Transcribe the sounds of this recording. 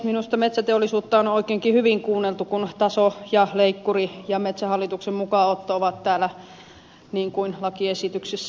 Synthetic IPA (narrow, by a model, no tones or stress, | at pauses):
minust̪ɑmet̪sæt̪eolːˑisuːt̪ːɑonoˑikˑeːŋkihyʋiŋkuːnːelt̪ukunt̪ɑsojɑleikːurijɑmet̪sæhɑlːit̪uksemmukɑˑot̪ːooʋɑt̪t̪æːlæ | niːŋkuinlɑkiesit̪yksisː